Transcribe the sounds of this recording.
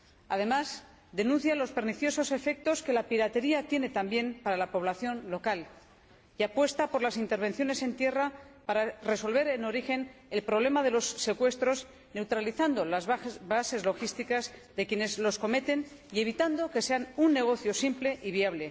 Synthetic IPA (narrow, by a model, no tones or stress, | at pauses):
a̰ðe̞maz | d̪e̞nũnθjalo̞spe̞ɾniθjo̞so̞se̞fe̞k̚t̪o̞ske̞lapiɾat̪e̞ɾiat̪je̞ne̞t̪ambje̞mpaɾalapo̞β̞laθjo̞nlo̞kal | iapwe̞st̪apo̞ɾlasint̪eɾβ̞e̞nθjo̞ne̞se̞nt̪je̞rapaɾare̞so̞lβe̞ɾe̞no̞ɾixe̞ne̞lpɾoβ̞le̞mað̞e̞lo̞sːe̞kwe̞st̪ɾo̞s | ne̞wt̪ɾaliθand̪o̞lazβase̞zlo̞xist̪ikazðe̞kje̞ne̞zlo̞sko̞me̞t̪e̞n | ie̞β̞it̪and̪o̞ke̞se̞anunːe̞ɣ̞o̞θjo̞simple̞ʔiβiaβle̞